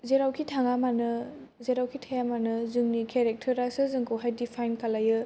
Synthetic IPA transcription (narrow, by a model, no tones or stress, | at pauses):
zeɾawkʰitʰaŋamanɯ | zeɾawkʰitʰajamanɯzɯŋnikʰeɾek̚tʰɐɾasɯzɯŋkʰɯwɦajdipʰajnkalajɯ